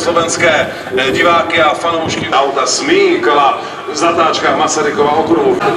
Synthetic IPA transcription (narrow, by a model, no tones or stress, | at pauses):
slovɛnskɛː | ɟɪvaːkɪafanowʃkɪʔawt̪asmɪkola | zat̪aːt͡ʃkaxmasaɾɪkovɛːɦokɾuɦu